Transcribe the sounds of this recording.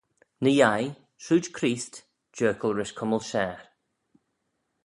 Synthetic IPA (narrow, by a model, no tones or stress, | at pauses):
nəjaj | ʃuːd͡ʒkʰɾiːst | d͡ʒɜːkəlˠɹɪʃkʰʊməlˠʃɛːɹ